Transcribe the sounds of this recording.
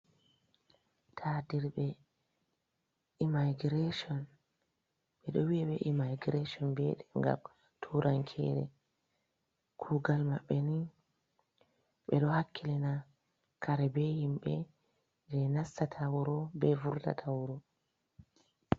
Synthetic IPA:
tʰadiɾɓɛ | imaɡiɾeʃɔn | ɓɛɗɔwiɛɓɛʔimajɡɾeʃɔnbɛɗɛŋɡa̰m | tʰuɾʔaŋkʰɛ̰ɾɛ̰ | kʰuɡalmaɓːɛni | ɓɛɗɔhakʰːilina | kʰaɾɛbɛhimɓɛ | d͡ʒɛnasːatʰawɾɔbɛvuɾda̰tʰawɾɔ

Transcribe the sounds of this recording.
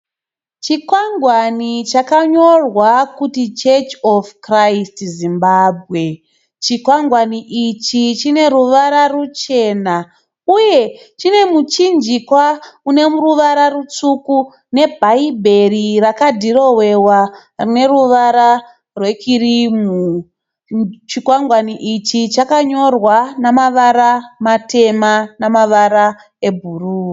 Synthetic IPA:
t͡ʃikwaŋɡwanit͡ʃakaɲo̞rwakutit͡ʃet͡ʃofkraistzimbaːbʱɣe̞ | t͡ʃikwaŋɡwaniʔit͡ʃit͡ʃine̞ɾuʋaɾarut͡ʃe̞ːna | uje̞ | t͡ʃine̞mut͡ʃind͡ʒikwaune̞muruʋaɾarut͡suku | ne̞bʱaibʱe̞rirakadʱiɾo̞we̞wa | rine̞ruʋaɾa | rwe̞kʰiɾimu | t͡ʃikwaŋɡwaniʔit͡ʃit͡ʃakaɲo̞rwanamaʋaɾamatʰe̞manamaʋaɾa | ebʱuruː

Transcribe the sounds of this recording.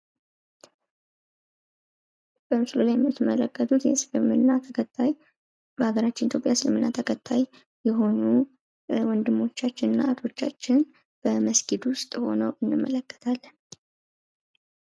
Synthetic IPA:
b̥əmɨslolajɛmːɨt̪ːɨmːələkʰːət̪ʰut̪jɛ̰slɨmːɨnːat̪ʰəkʰət̪ʰːaj | maaɡəɾat͡ʃːɪnit̪ʰopʼjasɨlɨmɨnːat̪ʰəkʰət̪ʰːaj | jɛɦo̞nu | wɔnd̪ɨmːo̞t͡ʃːat͡ʃːɪnɨnːaat̪o̞t͡ʃːa̰t͡ʃːɪn | b̥əməsɡid̪wʊst̪ʼho̞̰nəwʔɨnːɨmːələkːə̥t̪ʰalːən

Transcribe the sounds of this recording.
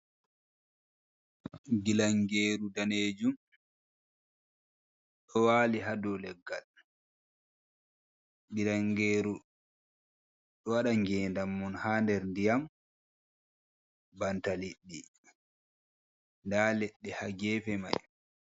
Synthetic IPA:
ɡilaŋɡeːɾudaneːd͡ʒum | ɗɔwaːliɦadɔlɛɡːa̰l | ɡilaŋɡeːɾu | ɗɔwaɗaŋɡɛːndamːɔnhaːndɛɾndijam | bantaliɗːi | ndaːlɛɗːɛhaɡɛːfɛma̰j

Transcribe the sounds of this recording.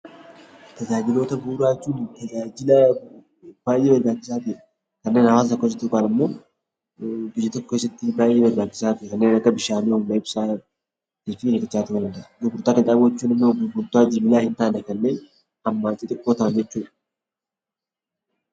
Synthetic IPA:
t̪ɐzaːd͡ʒɪlo̞ːt̪ɐbuːɾaːt͡ʃːuːnt̪ɐd͡ʒaːd͡ʒɪlɐ | b̥aːjeːmɐɾɡaːt͡ʃːɪsaːt̪ʊʔɛ | kɐnːeːnhɐwaːst̪ɔkːoes̬ɐt̪ːɪkʼaːnɪmːo̞ː | bɪjːɐt̪ɔkːkesːɐt̪ːɪbaːjeːmɐɾɡaːt͡ʃːɪsaːt̪ʊʔɛkɐnːeːnɐkːɐbɪʃaːniːhʊmmɐɪbsaː | t̪iːfɪɛkɐt͡ʃːaːt̪ʊɐnd̪ɐd̪ʊbʊɾt̪ːaːkɪnᶑaːbwɐt͡ʃːuːnɐnːobʊbʊlt̪ːʊaːd͡ʒibɪlaːhɪnt̪aːnɐkɐnːeː | ɐmːaːnt͡ʃʼːɪt̪ʼɪkʼːoːt̪ɐmnd͡ʒɛt͡ʃːuːᶑɐ̥

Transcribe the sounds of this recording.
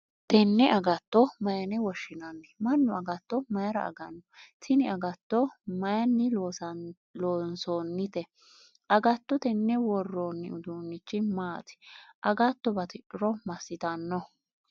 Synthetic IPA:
t̪ɛnːɛʔɐɡɐt̪ːɔmɐjɐnɛwɔʃːɪnɐnːɛmɐnːʊɐɡɐt̪ːɔmɐjɐɾɐ̰ɐ̰ɡɐnːɔtɪnɪɐɡɐt̪ːɔmɐjɐnːɪloːsɐ | loːnsoːnːɪt̪ɛ | ʔɐɡɐt̪ːɔt̪ɛnːɛwɔrːoːnːɪ̰ʊd̪unːɪt͡ʃːɪmaːt̪ɪ̥ʔɐɡɐt̪ːɔbɐt̪ɪᶑɪɾɔmɐsːɪt̪ɐnːɔ

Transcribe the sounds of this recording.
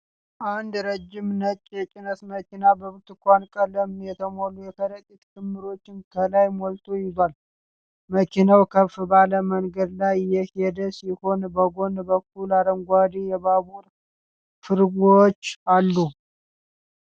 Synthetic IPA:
ʔand̪ɾəd͡ʒːɪmnət͡ʃ̪ʼjɛt͡ʃʼɪnəsməkinabəβt̪ɨkʷankʼələmjɛt̪ʰəmolujɛkʰəɾəkʼit̪ʼkʰɨmːɨɾo̞t͡ʃːɪnkʰəlajmolt̪ʰojɪzwal | məkʰinawkʰəfbaləməŋɡəd̪lajjɛhed̪əsiho̞nbəɡo̞nbək̚ʰːulaɾəmɡʷad̪ijɛβaβuɾ | fɨɾɡot͡ʃːalːu

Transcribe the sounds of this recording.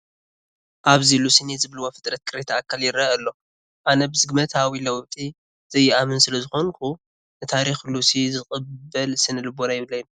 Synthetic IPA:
ʔaβzilusɨnezɨβlɨwafɨt̪ʼɾɐt̪̚kʰɨɾet̪ʰaːkʰːaljɪɾɐʔɐlːo̞ | ʔanɐbɨzɨɡmɐt̪ʰawilɐwβt̪ʼi | z̥ɐjːɪamɨnsɨlɐzɨxo̞nkʰu | nɨt̪ʰaɾixlusizɨχʼɨbːɐlsɨnɨlɨbonajɪβɨlɐjːm

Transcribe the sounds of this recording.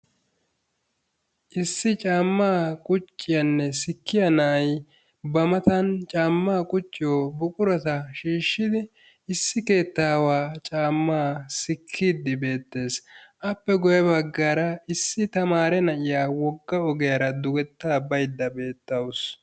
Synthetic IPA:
ʔɪsːɪt͡ʃʼaːmːaːkʼʊt͡ʃʼːɪjɐnːɛsɪkːɪjɐnɐʔɐj | bɐmɐt̪ɐnt͡ʃʼaːmːaːkʼʊt͡ʃʼːɪjoːbʊkʼʊɾɔt̪ɐʃiːʃːɪd̪ɪ | ɪsːɪke̞ːt̪ːaːwaːt͡ʃʼaːmːaːsɪkʰːiːd̪ːɪbe̞ːt̪ːe̞ːsʔɐpːɛɡɔjɐbɐɡːaːɾɐɪsːɪt̪ɐmaːɾɛnɐʔɪjaːwɔɡːɐɔɡɛjɐɾɐd̪ʊɡɛt̪ːaːbɐjd̪ːɐbe̞ːt̪ːɐws

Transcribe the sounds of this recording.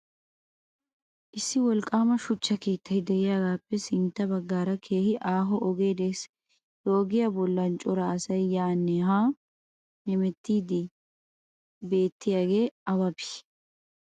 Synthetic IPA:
ʔɪsːɪwɔlkʼːaːmɐʃʊt͡ʃːɐkiːt̪ːɐjd̪ɛʔɪjaːɡaːpːɛsɪnt̪ːɐbɐɡːaːɾɐkʰe̞ːhɪʔaːɦɔʔɔɡe̞ːd̪es | joːɡɪjɐbɔlːɐnt͡ʃʼɔɾɐːsɐjːaːnːɛɦaː | hɛmɛt̪ːiːd̪ɪ | be̞ːt̪ːɪjaːɡe̞ːɐβɐbɪ̥

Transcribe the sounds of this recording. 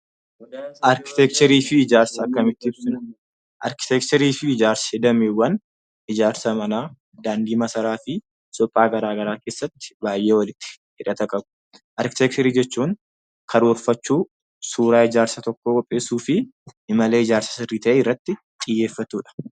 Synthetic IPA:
ʔɐɾkɪ̥t̪ɛk̚t͡ʃ̪ɛɾiːfɪɪd͡ʒaːɾsɐɐkːɐmɪt̪ːɪɪbsɪn | ʔɐ̰ɾkɪ̥t̪ɛk̚t̪ɛɾiːfɪːd͡ʒaːɾsɐ̥hɪd̪ɐmeːwːɐn | ɪd͡ʒaːɾsɐmɐnaː | d̪aːnd̪iːmɐsɐɾaːfɪ | sɔpʼːaːɡɐɾaːɡɐɾaːke̞ːsːɐt̪ːɪ̥baːjʔe̞ːwɐlɪt̪ːɪ̥ | hɪᶑɐt̪ɐkʼɐbʊ̥ | ʔɐɾkɪ̥t̪ɛk̚t̪ɛɾiːd͡ʒɛt͡ʃːuːŋ | kʰɐɾoːɾfɐt͡ʃːuː | suːɾaːɪd͡ʒaːɾsɐt̪ɔkːoːkʼɔpʼːe̞ːsuːfɪɪmɐle̞ːɪd͡ʒaːɾsɐ̥sɪrːiːt̪ɐʔeːɪrːɐt̪ːɪ | t̪ʼɪjːe̞ːfːɐt̪uːᶑɐ̥

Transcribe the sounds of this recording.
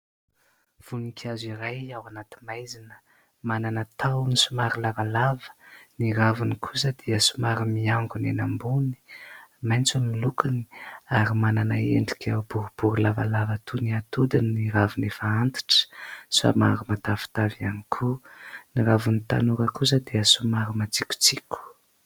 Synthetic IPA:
v̥unikʲʰaziɾajawanat̪i̥majzinə̥ | mananət̪ʰawnisumaɾilavalavə̥niɾavunikʰusəd̪iəsumaɾimiaŋɡunenambuni̥majnt͡sammilukani̥aɾimananaeɳɖ͡ʐikʲʰab̥uɾub̥uɾulavalavat̪ʰuniat̪ud̪inniɾavunefəant̪i̥ʈ͡ʂə̥sa̰maɾumat̪afi̥t̪avianikʰuniɾavunit̪a̰nuɾəkus̬əd̪eəsumaɾimat͡sikʲu̥t͡sikʲu̥

